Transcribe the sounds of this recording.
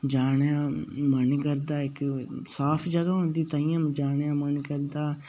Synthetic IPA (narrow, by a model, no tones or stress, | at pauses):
d͡ʒaːnjãːmənkəɾd̪aːɪksaːpʰd͡ʒəɡaːɦõːnd̪iːt̪aːijãːd͡ʒaːnjãːmənkəɾd̪aː